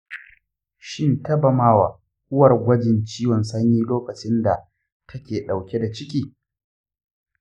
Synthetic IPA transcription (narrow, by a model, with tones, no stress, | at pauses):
ʃɪ˦ntɐ˦bɐ˨maː˦waː˨ | ʔʊ˦wɐ˨rɡʷɐ˦d͡ʒɪ˨nt͡ʃiː˦wɔ˨nsɐ˦ɲjiː˦loː˦kɐ˨t͡ʃɪ˦nda˨ | tʰɐ˦kʲeː˨ɗa˨wkʲe˦da˨t͡ʃɪ˦kʲiː˨